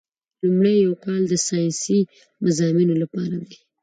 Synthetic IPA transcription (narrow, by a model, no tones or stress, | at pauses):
lumɽajːawkɑld̪əsɑjnsi | mazɑminolapɑɾad̪i